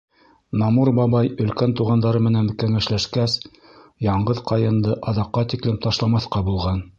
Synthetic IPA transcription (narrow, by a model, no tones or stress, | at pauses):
nɑmuɾbɑβɑjɵ̆lkænt̪uʁɑnd̪ɑɾɤmɘ̆nænkæŋæʃlæʃkæs | jɑɴɢɤðqɑjɤ̆nd̪ɤʔɑðɑqːɑt̪iklɘmt̪ɑʃlˠɑmɑθqɑbulˠʁɑn